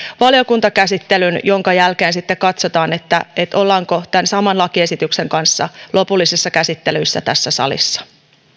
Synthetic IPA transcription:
ʋɑljokunt̪ɑkæsit̪ːelynjo̞ŋkɑjælkeːnsit̪ːekɑt̪sot̪ɑːnet̪ːæ̰et̪olːɑŋkot̪ænsɑmɑnlɑkie̞sit̪ykseŋkɑnsːɑ̰lʔo̞pulːisisːɑkæsit̪ːelyisːæ̰t̪æsːæsɑ̰lḭsːɑ̥

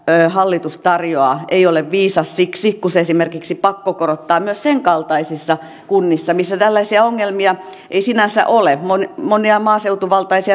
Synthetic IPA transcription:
øːhɑlːit̪ust̪ɑrjoɑˑeioleʋʋiːsɑssiksikuseesimerkiksipɑkːokorot̪ːɑːmyøsseŋkɑlt̪ɑisisːɑ | kunːisːɑmisːæt̪ælːæisiæoŋːelmiɑ | ʔeisinænsæ̰ʔolemonmoniɑmɑːseut̪uʋɑlt̪ɑisiɑ

